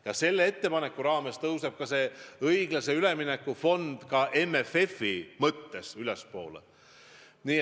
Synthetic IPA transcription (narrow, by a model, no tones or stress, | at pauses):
jɑse̞lːee̞t̪ːe̞pɑnekːˑuɾɑːme̞st̪ɤuseb̥̚kɑse̞ɤjɡ̥lɑse̞yleminekːufo̞nd̪̥kɑʔe̞mːefe̞fimɤt̪ːe̞sylɛspo̞ːlḛ | niː